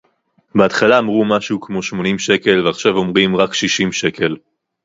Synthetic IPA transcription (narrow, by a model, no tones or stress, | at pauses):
beat̪χalaːmʁumaʃuːkmo̞ʃmo̞nimʃe̞ke̞lveaχʃavo̞mʁimʁakʃiʃimʃe̞kʰe̞l